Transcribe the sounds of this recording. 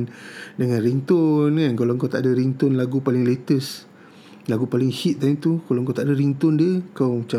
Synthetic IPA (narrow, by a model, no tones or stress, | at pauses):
ndəŋanrint̪ʊnkankaloŋkawt̪aʔdaɾint̪ʊnlaɡupalɪŋlet̪əs | laɡupalɪŋhit̪̚kanit̪ukaloŋkawt̪aʔdaɾint̪ʊndiəkawt͡ʃa